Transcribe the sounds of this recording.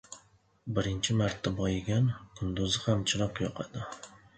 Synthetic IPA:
bɪɾɪnt͡ʃʰɪmaɾt̪ːabɒjɪɡʲankʰʊnd̪ʊzɪhamt͡ʃʰɪɾɒqjɒqʰɑd̪ɪ

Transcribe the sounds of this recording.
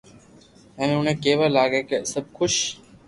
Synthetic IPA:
ɛ̃ːnʊnẽːkeːʋəlaːɡeːkəsəb̚ʱkʰʊʃ

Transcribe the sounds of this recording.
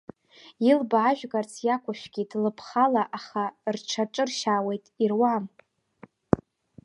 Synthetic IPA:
ilbaːʒᶣɡart͡sʰjakʷʰaʃʷᶣɡ̥ʲidlɨpʰχalaʔaχarʈ͡ʂʰaʈ͡ʂʼɨrʃaːwe̞jtʼirwam

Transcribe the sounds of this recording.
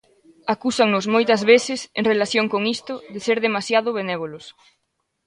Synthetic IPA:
akusaŋnʊsmojt̪ɐzβeθɪseŋrelaθjoŋkoŋist̪ʊðɪseɾðemasjaðʊβenɛβolʊs

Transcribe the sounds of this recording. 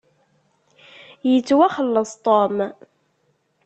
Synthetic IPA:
jət͡sːwæχəlːəsˤt̪ˤom

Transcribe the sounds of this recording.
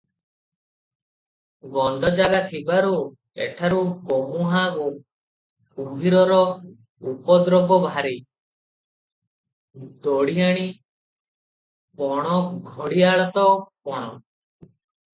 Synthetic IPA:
ɡɔnd̪ʱɔd͡ʒaɡat̪ʰibaɾu | ḛʈʰaɾupomuɦaɡo | ubʱiɾɔɾɔ | upɔd̪ɾɔbɔbʱaɾe | d̪ɔɽiaɽ̃i | pɔɽ̃ɔɡʱɔɽiaɭɔt̪ɔpɔɽ̃ɔ

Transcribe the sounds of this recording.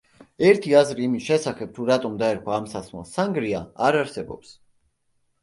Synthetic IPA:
ɛɾt̪ʰiazɾiːmisʃɛsaχɛb̥̚t̪ʰuɾat̪ʼɔmd̪aɛɾkʰwaːmsasmɛ̰lˠsaŋɡɾiaaɾaɾsɛbɔ̰ps

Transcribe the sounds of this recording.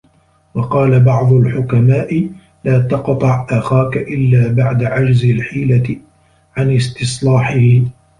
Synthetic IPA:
wɑqɑːlabɑʕd̪ˤʊlħʊkamaːʔɪ | laːt̪ɑqt̪ˤɑʕʔaxaːkaʔɪlːaːbaʕd̪aʕad͡ʒzɪlħiːla | ʕanɪst̪ɨsˤlɑːħɪhɪ

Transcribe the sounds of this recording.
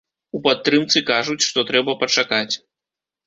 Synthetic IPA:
upat̪ːɾɨmt̪sɨkaʐut͡sʲʂt̪ɔt̪ɾɛbɐpɐt͡ʂakat͡sʲ

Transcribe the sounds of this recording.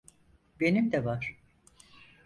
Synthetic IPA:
be̞nimd̪ɛvaɾ̥

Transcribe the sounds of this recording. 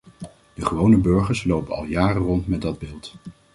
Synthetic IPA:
d̥əχəʋownəbøɹχəɹslowpəɑ̰lˠjaːrərɔntmɛdɑd̚bɪːlˠt

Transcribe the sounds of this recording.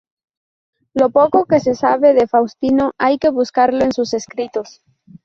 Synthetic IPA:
lo̞po̞ko̞ke̞se̞saβe̞ðe̞fawst̪ino̞ʔajke̞βuskaɾloensuse̞skɾit̪o̞s

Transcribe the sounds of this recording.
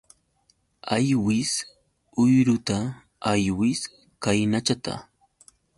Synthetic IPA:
ajwɪs | ʊjɾʊt̪a | ajwɪs | kajnat͡ʃat̪a̰

